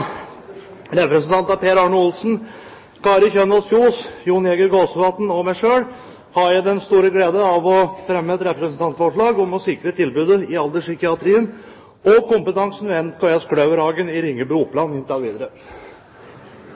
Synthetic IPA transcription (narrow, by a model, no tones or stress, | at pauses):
ɾɛpɾɛsənt̪ɑnt̪ɑpʰeːɾɑːɳʊʊlsn̩ | kɑːɾəçœnɑluːsjuːnɛɡəɾɡoːsəʋɑt̪n̩ɔmæɪʂøːɽ | hɑɾjæɪd̪ɛnst̪uːɾəɡleːd̪əɑʋɔfɾɛmːəɛt̪ɾɛpɾɛsən̩t̪ʰɑnt̪fɔʂɭɑːɡɔmɔsɪkɾət̪ʰɪlbʉːd̪əɪɑld̪əʂʏkɪɑt̪ʰɾiːən | ɔkʊmpət̪ɑŋsn̩ʋɛɛnkʰoɛskʰɽœːʋəɾhɑːɡənɪɾɪŋːəbɾuʊpːlɑnɪnt̪ɑʋiːd̪əɾə